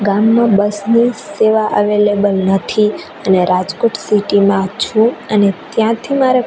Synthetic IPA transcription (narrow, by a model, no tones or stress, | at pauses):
ɡamːãbəsniseʋaʔəʋelebəlnət̪ʰi | əneɾad͡ʒkoʈsiʈimãt͡ʃʰũənet̪jãt̪ʰimaɾe